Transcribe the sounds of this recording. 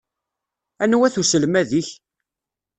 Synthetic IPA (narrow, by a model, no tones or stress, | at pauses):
ænwæθusəlmæðiç